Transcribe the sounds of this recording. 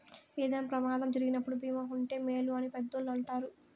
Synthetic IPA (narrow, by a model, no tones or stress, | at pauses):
eːd̪ɐnpɾɐmaːd̪ɐmd͡ʒɐɾiɡinɐpːuɽubiːmaːuɳʈe̞ːmeːluɐnipɛd̪ːɐlːuɐɳʈaːɾu